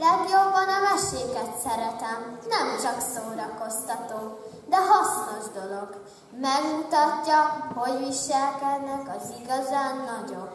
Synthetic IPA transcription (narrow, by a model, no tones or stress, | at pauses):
lɛɡjo̞bːɒnɒmɛʃeːkɛt̪sɛɾɛt̪ɛmnɛmt͡ʃɒksoːɾɒko̞st̪ɒt̪oː | d̪ɛɦɒsno̞ʒd̪o̞lo̞ɡ | mɛɡmut̪ɒcːɒhojviʃɛlkɛd̪nɛkɒziɡɒzaːnːɒɟo̞b